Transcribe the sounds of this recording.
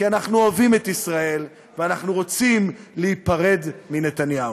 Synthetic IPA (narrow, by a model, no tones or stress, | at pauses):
kianaχnuoavimet̪isʁae̞l | veanaχnuʁo̞t͡simleipaʁe̞d̪mine̞t̪anjau